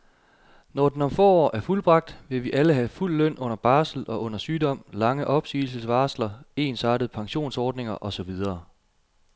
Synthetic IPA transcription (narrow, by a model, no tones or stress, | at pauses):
nɒd̥en̩ɒ̽mfɔ̰ːɒ̰ːʔæɐfulb̥ʁɑ̈ɡ̥̚d̥ʋe̝ʋiʔæləɦæful̰ːœn̰ʔɔ̽n̰ɐb̥ɑ̈ːsl̩ʔɒ̽ʔɔ̽n̰ɐsyːdɒ̽m̰lɑ̈ŋəʔɒ̽b̥sḭːl̩səsʋɑ̈ːslɐe̝ːnsɑ̈ːdɾəð̞̩ˠpʰɑ̈ŋɕo̝̰ːnsɒːd̥ne̝ŋɐʔɒ̽sɒ̽ʋið̞ˠɐː